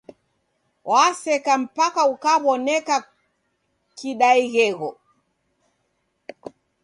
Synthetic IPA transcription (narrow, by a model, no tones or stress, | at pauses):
wʔasɛkam̩pakaukaβɔnɛka | kiɗaiɣɛɣɔ